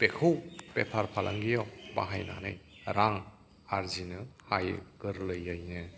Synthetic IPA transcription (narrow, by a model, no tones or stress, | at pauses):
pekʰɯwpepʰaɾpʰalʔa̰ŋɡijɔwba̰ɦajna̰nɯjɾaŋ | aɾzinɯhaj̰ɡ̥ɯɾlɯjɯjnɯ